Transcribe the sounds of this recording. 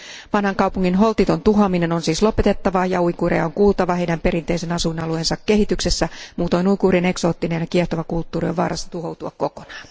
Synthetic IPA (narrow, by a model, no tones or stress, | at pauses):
ʋɑnhɑŋkɑwpuŋːinɦo̞lt̪it̪o̞nt̪uɦɑmine̞no̞nsiːslo̞pe̞t̪e̞t̪ːɑʋɑjɑuikuːrejɑ̰oŋkuːlt̪ɑʋɑɦe̞jdæmpe̞ɾint̪e̞ise̞nɑsunɑluensɑkːe̞ɦit̪ykse̞sːæmuːt̪o̞jnuikuːriene̞kso̞ːt̪ːine̞njɑkieht̪o̞ʋɑkult̪ːuːɾioʋʋɑ̰ːrʔɑ̰sːɑ̥t̪uɦo̞wt̪uɑkko̞ko̞nɑːn